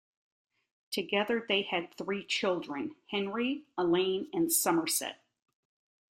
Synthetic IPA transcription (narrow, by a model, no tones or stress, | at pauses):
tʰɨɡɛðə˞ðeɪɨd̪̚θɹit͡ʃʰɪlˠdɹɨ̃nhɛ̃nɹiəlẽɪ̃nɨ̃nsʌmə˞sɛ̰t̚